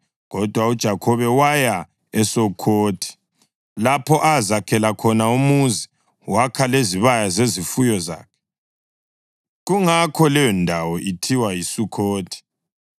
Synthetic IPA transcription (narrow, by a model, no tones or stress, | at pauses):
ɣɔd̥ʱwaud̥ʒ̥ʱakʰɔβɛwaja | ɛsoukʰoːtʰi̥ | lapʰɔʔazakʰɛlakʰɔnaumuzi | wakʰaleziβajazezifujɔza̰ːkʰɛ̥ | ɣuŋakʰɔlɛjɔndʱawɔʔitʰiwajisukʰoːtʰi̥